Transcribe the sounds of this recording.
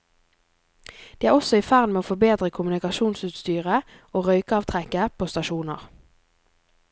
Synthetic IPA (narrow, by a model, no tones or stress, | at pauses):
d̪̥iːæːʁɔsɔiːfæʁd̪meːoːfɔbeːd̪ʁəkʰʊmnɪkɑʃuːnsʉːt̪st̪yːʁə | oːʁœʏkəɑːʋt̪ʰʁɛkəpʰoːst̪ɑʃuːnə̰ʁ